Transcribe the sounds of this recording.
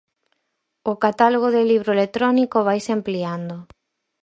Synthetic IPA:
ʊkat̪aloɣ̞oðeliβ̞ɾoelet̪ɾɔnikoβ̞ajsɪampliand̪ʊ

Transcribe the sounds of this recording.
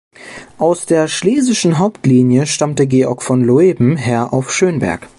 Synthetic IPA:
ʔaʊsd̥eːɐʃleːzɪʃn̩ɦaʊptliːnjəʃtamtəɡeːʔɔ̰ɐkfɔnloeːbm̩ɦɛɐʔa̰ʊfʃøːnbɛ̰ɐk

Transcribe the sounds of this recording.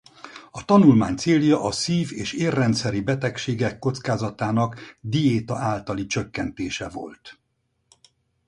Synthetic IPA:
ɒt̪ɒnulmaːɲt̪seːljɒʔɒsiːveːʃeːrːɛnt̪sɛɾibɛt̪ɛkʃeːɡɛkːo̞t̪skaːzɒt̪aːnɒkd̪ieːt̪ɒʔaːlt̪ɒlit͡ʃø̞kːɛnt̪eːʃɛvo̞̰lt̪

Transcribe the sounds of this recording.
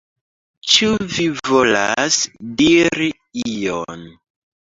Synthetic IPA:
t͡ʃuvivola̰sdiɾi | ijo̰n

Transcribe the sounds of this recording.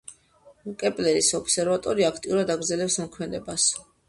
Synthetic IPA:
kʼɛpʼlɛɾisɔbsɛɾvat̪ʼɔɾiakʰt̪ʼiuɾad̪aɡɾdzɛlɛpsmɔkʰmɛd̪ɛbas

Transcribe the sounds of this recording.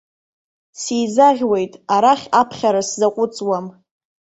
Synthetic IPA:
sijzaʁʲwe̞jtʼaɾaχʲapʰχʲaɾaszaqʷʼʊt͡sʼwam

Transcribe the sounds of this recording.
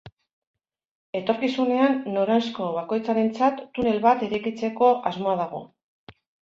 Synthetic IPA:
e̞t̪o̞ɾkisune̞anːoɾansko̞β̞ako̞jt͡saɾe̞nt͡sat̪ːune̞lβat̪eɾejkit͡se̞ko̞ʔazmo̞aðaɣ̞o̞̰

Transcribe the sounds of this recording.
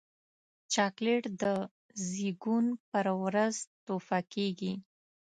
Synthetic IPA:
t͡ʃɑkleʈd̪ə | ziɡunpəɾwɾazt̪ofakeɡi

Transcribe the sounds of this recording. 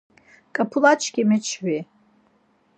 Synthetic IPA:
kʼapʰulat͡ʃʰʼkimɛt͡ʃʰwi

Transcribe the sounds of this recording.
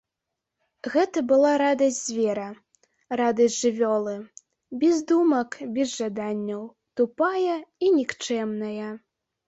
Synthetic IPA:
ɣɛt̪ɐbɨlˠaɾad̪ɐsʲdʲzʲvʲɛɾɐ | ɾad̪ɐzʲʐɨvʲɔlˠɨ | bʲɛzd̪umɐkbʲɛzʐad̪anʲːɐw | t̪upajɐinʲikt͡ʂɛmnɐjɐ

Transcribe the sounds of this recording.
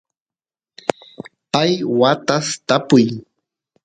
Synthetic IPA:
pajwat̪ast̪apʊj

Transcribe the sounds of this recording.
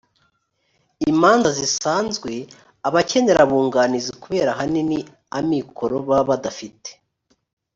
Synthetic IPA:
imaːnzazisaːnzɡwe̞ | aβace̞ne̞ɾaβuːŋɡaːnizikuβe̞ːɾaɦanini | amikʰo̞ɾo̞βaβadafite̥

